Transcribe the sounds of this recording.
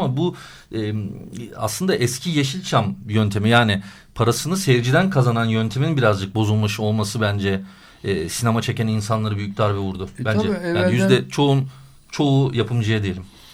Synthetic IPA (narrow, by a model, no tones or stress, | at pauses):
amabu | ɛːma̰slˠɯnd̪aʔɛscʰijeʃilʲt͡ʃʰamjønt̪ʰe̞mijaːnɪ | pʰaɾasɯnɯseɾd͡ʒid̪ænkʰazananjønt̪ʰe̞minbiɾazd͡ʒɯk̚bo̞zulˠmaʃɯo̞lˠmasɯbænd͡ʒɛː | sine̞mat͡ʃʰe̞cæninsanlˠaɾɯbyjyc̚ʲd̪aɾbɛvuɾd̪ʊbænd͡ʒɛjaːnijyzd̪ɛt͡ʃʰo̞un | t͡ʃʰo̞ujapʰɯmd͡ʒajad̪ejelʲim